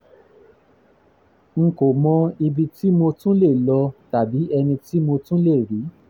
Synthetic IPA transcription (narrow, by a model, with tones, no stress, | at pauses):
ŋ̩˨ko˨mɔ̃˧i˧bi˧ti˦mo˧tũ˦le˦˨lɔ˧ta˨bi˨˦ɛ˧nĩ˧ti˦mo˧tũ˦le˦˨ɾi˨˦